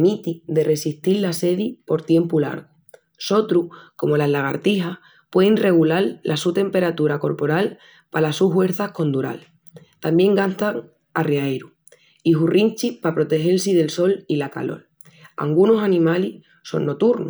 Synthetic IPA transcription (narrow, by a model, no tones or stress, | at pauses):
mit̪id̪e̞re̞siht̪illase̞ðipo̞ɾt̪je̞mpula̰ɾɣo | so̞t̪ɾuhko̞mo̞lazlaɣ̞aɾt̪iɦah | pwe̞ðeŋre̞ɣ̞ulalːasut̪e̞mpe̞ɾat̪uɾako̞ɾpo̞ɾal | palasuɦwe̞ɾθahko̞nd̪uɾa̰l | t̪ambje̞ŋɡant̪aŋ | arjaeɾu | iɦurint͡ʃihpapɾo̞t̪e̞xe̞lsiðe̞lso̞lilaka̰lo̞̰l | a̰ŋɡunosanĩmali | so̞̰nːo̞t̪uɾnu